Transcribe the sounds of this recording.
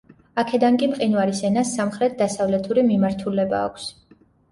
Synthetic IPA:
akʰɛd̪aŋkʼipʼqʼinvaɾisɛnasːamχɾɛt̪̚ʰd̪asavlɛt̪ʰuɾimimaɾt̪ʰulɛba̰ːkʷʰs

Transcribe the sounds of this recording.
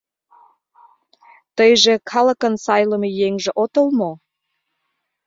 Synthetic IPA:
t̪əjʒĕkʰɑləkənsɑjləmejeŋʒĕʔot̪əlmo

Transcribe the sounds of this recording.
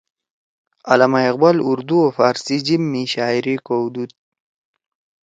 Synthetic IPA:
alamajaqbaluɾd̪uofaːɾsid͡ʒimːiʃaːiɾikowd̪ut̪̚

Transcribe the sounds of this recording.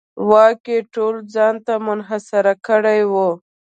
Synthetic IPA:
wɑkeʈold͡zɑnt̪amʊnɦasaɾakəɽajwo

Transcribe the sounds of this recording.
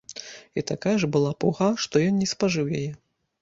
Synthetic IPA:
it̪akajɐʐbɨlˠapuɣaʂt̪ɔjɔnnʲɛspaʐɨwjajɛ

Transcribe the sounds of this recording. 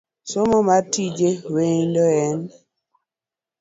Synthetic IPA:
somɔmatid͡ʒewendɔɛn

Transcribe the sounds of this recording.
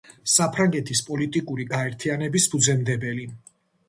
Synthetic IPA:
sapʰɾaŋɡɛt̪ʰispʼɔlit̪ʼikʼuɾiɡaɛɾt̪ʰianɛbisbud̪zɛmd̪ɛbɛli

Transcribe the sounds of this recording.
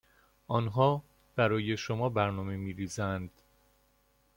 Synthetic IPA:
ʔɒːnɦɒː | b̥æɾɒːje̞ʃomɒːbæɾnɒːme̞miːɾiːzænd̪̥

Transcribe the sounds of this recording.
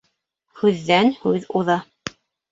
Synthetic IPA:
hʉðːænhʉðuðɑ

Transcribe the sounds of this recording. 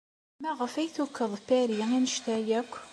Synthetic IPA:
mæʁəfæjθukːəðˤpæɾiinəʃt̪æjækʷː

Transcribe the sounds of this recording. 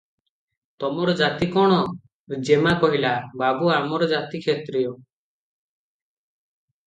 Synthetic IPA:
t̪ɔmɔɾɔd͡ʒat̪ikɔɽ̃ɔ | d͡ʒemakɔɦilababuamɔɾɔd͡ʒat̪ikʰet̪ɾijɔ

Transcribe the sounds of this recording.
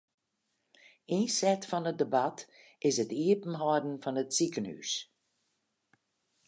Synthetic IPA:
insɛtfɔnət̚dəbat | ɪsətiəpn̩ɦɔdən̩fɔnətsikəny̰s

